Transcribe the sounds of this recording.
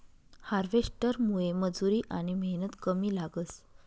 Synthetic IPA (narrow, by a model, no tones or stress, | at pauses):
haɾʋesʈəɾmueməd͡zuɾiːʔaɽ̃iməɦnət̪kəmiːlaɡəs